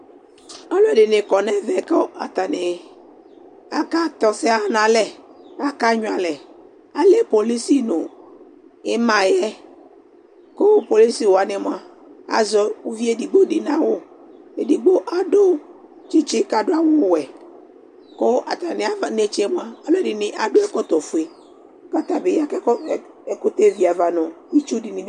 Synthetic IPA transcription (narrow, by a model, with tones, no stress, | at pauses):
ɔ˦lʊ˦ɛ˨dɪ˨nɪ˨kɔ˨nɛ˦vɛ˨kɔ˦a̰˨t̪a˨nɪ˨ | a˦ka˦t̪ɔ˨sɪ˦a˦nã˨lɛ˦a˦ka˦ɲʊ̃˨a˨lɛ˨ | a˦lɛ˦po˨li˦si˦nʊ̃˨ | ɪ˦mã˨jɛ˦ | kʊ˦po˨li˦si˦˨wo˨a˨nɪ˨mʊ̃˦a˦ | a̰˨zɔ˦ʊ˦vi˦e˦di˨ɡ͡bo˦dɪ˨nã˦wʊ˦ | e˨di˨ɡ͡bo˦ʔa˦do˦ | t͡ʃi˦t͡ʃɪ˦ka˨dʊ˦a˨wʊ˦˨wɛ˨ | kʊ˦a̰˨t̪a˨nɪ̃˦a˨va˨ne˦t͡ʃɪ˦mʊ̃˦a˦a˦lɔ˦dɪ˨nɪ̃˦ʔa˨dʊ˦ɛ˦kɔ˦t̪ɔ˨fu˨e˨˦ | ka˦t̪a˨bɪ˨ja˦kɛ˦˨ | ɛ˨kʊ˦t̪e˦vi˨a˨va˨nʊ̃˨wi˦t͡ʃu˦dɪ˨nɪ̃˦